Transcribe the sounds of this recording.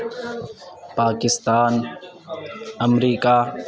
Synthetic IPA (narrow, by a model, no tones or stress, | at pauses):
paːkɪst̪aːn | əmɾiːkaː